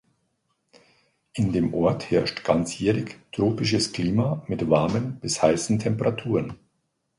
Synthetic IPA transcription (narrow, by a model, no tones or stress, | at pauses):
ʔɪndeːmʔɔɐthɛɐʃtɡ̥ant͡sjɛːʁɪçtʁ̥oːpɪʃ̬əskl̥iːmaːmɪtv̥aɐmənb̥ɪshaɪsn̩tʰɛmpəʁatʰuːʁən